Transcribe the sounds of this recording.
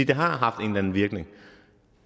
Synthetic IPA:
ideɦaɦaftɪŋlɛ̃nʋiək̚nɪ̃ŋ

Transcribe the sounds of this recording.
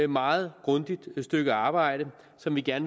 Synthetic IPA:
mɑ̈ːð̩ˠɡ̥ʁɔ̽nd̥id̥sd̥øɡ̥əɑ̈ːb̥ɑ̈ɪ̰ɾ̥ə | sɒ̽mʋiɡ̥æɐn

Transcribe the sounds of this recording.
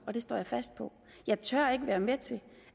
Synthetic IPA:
ɒ̽d̥e̝sd̥ɒ̰ːjɑ̈fæsd̥̚pʰɒ̽ | jɑ̈ɪt͡sʰøɐ̰e̝ɡ̥əʋæːɐmet͡sʰe̝

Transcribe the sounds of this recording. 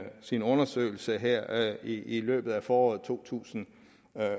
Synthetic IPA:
sinɔ̽nɐsø̰ɪl̩səɦeɐ̰iilø̰ːb̥ð̩ˠæfɒːɒ̰ːð̩ˠt͡sʰo̝̰ːt͡sʰṵːsn̩

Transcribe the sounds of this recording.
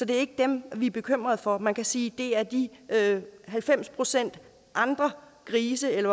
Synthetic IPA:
sɒ̽d̥e̝æɐe̝ɡ̥əd̥emʋiæɐb̥e̝kʰøm̰ʁɐð̞ˠfɒ̽mænkʰæsiːd̥e̝æɐd̥iøɦælfem̰spʰʁo̝sen̰d̥ | ʔɑ̈nd̥ʁɐ | kʰʁiːsəelɐ

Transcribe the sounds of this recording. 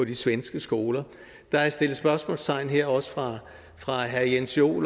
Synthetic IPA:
ɒ̽d̥isʋensɡ̥əsɡ̥o̝ːlɐ | d̥ɑ̈æɐsd̥e̝l̩ˠsb̥ɶɐsmɔ̰lst͡sʰɑ̈ɪ̰n̩ɦeɐ̰ɒ̽sə̥fʁɑ̈ | fʁɑ̈ɦæɐjenso̝̰ːl

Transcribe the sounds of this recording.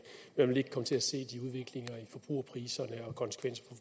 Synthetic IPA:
memænʋe̝le̝ɡ̥̚kʰɒ̽mət͡sʰe̝læse̝̰ːd̥iuð̞ˠʋe̝ɡ̥le̝ŋɐifɒ̽b̥ʁṵːɐpʰʁiːsɐnəɒ̽kʰɒ̽nsə̥kʰʋen̰sɐ̥pʰɒ̽

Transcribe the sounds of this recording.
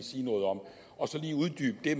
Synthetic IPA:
siːnɔ̽ːð̞̩ˠɒ̽m | ɒ̽sɒ̽liːuð̞ˠd̥yːb̥̚d̥e̝m

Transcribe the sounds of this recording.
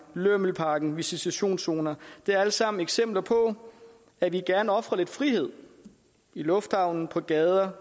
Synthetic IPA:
løml̩pʰɑ̈ːɡ̥n̩ʋisisæɕo̝̰ːnso̝ːnɐd̥e̝æɐælsɑ̈m̰n̩eɡ̥sem̰b̥lɐpʰɒ̽ | æʋiɡ̥æɐnɒ̽fʁɐle̝d̥fʁihe̝ð̰ˠ | ilɔ̽fd̥hɑ̈ʊ̰nn̩pʰɒ̽ɡ̥ɛːð̞ˠɐ

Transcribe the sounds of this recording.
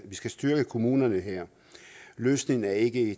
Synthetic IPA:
ʋisɡ̥æsd̥yɐɡ̥əkʰo̝muːnɐnəɦeɐ̰ | løːsne̝ŋn̩æɐe̝ɡ̥əe

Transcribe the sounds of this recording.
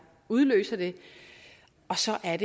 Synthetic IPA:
uð̞ˠlø̰ːsɐd̥e̝ | ɒ̽sɒ̽ʔæɐɾ̥e

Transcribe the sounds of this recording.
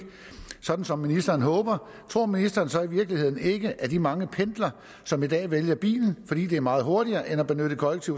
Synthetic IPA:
sɒ̽d̥n̩sɒ̽mːinisd̥ɐːn̩ɦɔ̽ːb̥ɐ | t͡sʰʁo̝ɐ̰minisd̥ɐːn̩sɒ̽iʋiɐɡ̥lihe̝ð̰ˠn̩e̝ɡ̥əʔæd̥imɑ̈ŋəpʰend̥lɐ | sɒ̽mid̥ɛ̰ːʋeljɐb̥ḭːln̩fɒ̽d̥ḭːd̥e̝æɐmɑ̈ːð̩ˠɦo̝ɐɾ̥iɐːʔenæb̥e̝nød̥əkʰɒ̽leɡ̥̚t͡sʰiʊ

